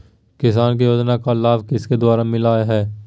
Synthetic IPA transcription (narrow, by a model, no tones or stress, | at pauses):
kɪs̬aːnk̬ijoːd͡ʒnakalaːʋkɪsked̪ʊaːɾamɪlaːjɦɛː